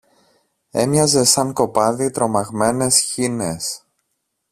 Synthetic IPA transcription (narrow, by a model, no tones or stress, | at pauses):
e̞̰mɲɐze̞sɐŋko̞pɐðit̪ɾo̞mɐɣme̞ne̞sçine̞s